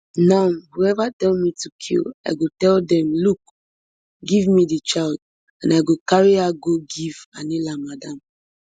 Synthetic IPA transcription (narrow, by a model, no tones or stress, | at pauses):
nãnhuɛvatɛlmitukʰḭla̰ɪɡotɛldɛ̃mluk̚ | ɡivmidit͡ʃald | ãnaɪɡokaɹiaɡoɡiva̰nilamadãm